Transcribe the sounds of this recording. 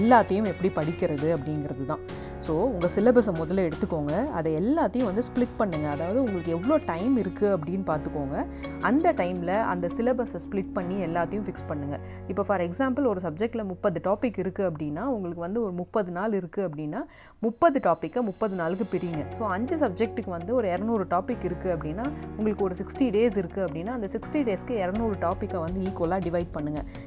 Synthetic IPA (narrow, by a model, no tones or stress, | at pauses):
ɛlːaːt̪ːɐjʊ̃ɛpːɐɽipɐɽɪkʲːɪɾɐðɯɐpːɐɽɪnɡɪɾɐðɯt̪ãː | soːʊŋɡɐsɪlɐbɐs̬ɐmʊðɐlɛɽɯt̪ːɯkːoːŋɡɐɐ̰ðɐɛlːaːt̪ːɐjʊ̃ʋɐnd̪ɯsplɪʈ̚pɐɳːɯŋɡɐːðaːʋɐðɯʊŋɡɐɭɯkːɯɛʋːɐɭoːʈɐɪmɪɾɯkːɯɐp̬ːɐɽɪjnːɯpaːɾt̪ɯkːoːŋɡɐ | ʔɐnd̪ɐʈɐɪmlɐʔɐ̰nd̪ɐsɪlɐbɐsɐsplɪʈ̚pɐɳːiɛlːaːt̪ːɐjʊ̃fɪkspɐɳːɯŋɡɐ | ɪpːoːfɐɾɛksaːmpɐlɔɾɯsɐb̚d͡ʒɛk̚ʈlɐmʊpːɐðɯʈaːpɪkːɪɾɯkːɯɐpːɐɽɪnːaːʊŋɡɐɭɯkːɯʋɐnd̪ɯɔɾɯmʊpːɐðɯnaːlɪɾɯkːɯɐpːɐɽɪnːaː | mʊpːɐðɯʈaːpɪkːɐmʊpːɐðɯnaːlɯkːɯpɛɾiːŋɡɐsoːɐɲd͡ʒɐsɐb̚d͡ʒɛk̚ʈɯkːɯʋɐnd̪ɯɔɾɯɛɾɐnuːɾɯʈaːpɪkːɪɾɯkːɯɐpːɐɽɪnːaːʊŋɡɐɭɯkːɯɔɾɯsɪksʈiɖeːsɪɾɯkːɯɐpːɐɽɪnːaːɐnd̪ɐsɪksʈiɖeːskɯɛɾɐnuːɾɯʈaːpɪkːɐʋɐnd̪ɯiːkoːlaːɖɪʋɐɪɖ̚pɐɳːɯŋɡɐ